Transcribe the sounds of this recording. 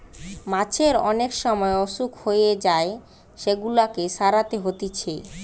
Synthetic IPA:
mat͡ɕʰeɾɔnekʃɔmɔeɔʃukʰhojed͡ʑae | ʃeɡulakeʃaɾat̪eɦot̪it͡ɕʰe

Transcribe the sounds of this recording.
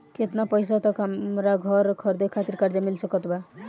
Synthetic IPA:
ket̪napəjsat̪ɔkɦaɾaɡʱɔɾkʰʌɾd̪ekʰat̪iɾkaɾd͡ʒamilsəkət̪ba

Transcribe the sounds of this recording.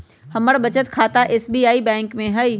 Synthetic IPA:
hɐməɽbɐt͡ɕət̪kʰaːt̪aʔeːsbiːaːibɛ̃ːŋkmẽɦɐiː

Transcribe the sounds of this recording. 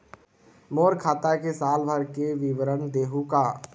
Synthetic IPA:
moːɾkʰaːt̪akesaːlbʱəɾkeʋiʋəɾənd̪eːɦuka

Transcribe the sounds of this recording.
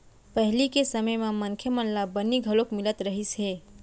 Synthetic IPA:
pəɦlikesəməjmẽməŋkʰjəmənlabənːiɡʱəlokmɪlət̪ɾəɦisɦe

